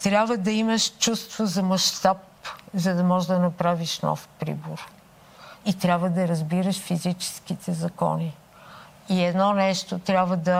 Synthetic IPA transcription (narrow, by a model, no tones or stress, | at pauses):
t̪ɾʲjabvəd̪ɐiməʃt͡ʃust̪vozɐmɐʃt̪ap | zɐd̪ɐmɔʒɛd̪ɐnɐpɾaviʃnɔ̰fpɾḭboɾ | it̪ɾʲabvəd̪ɐɾɐzbiɾəʃfizit͡ʃɛ̥skit̪ʰɛzɐkɔ̰ni | iɛd̪nɔnɛʃt̪ot̪ɾʲabvəd̪ɐ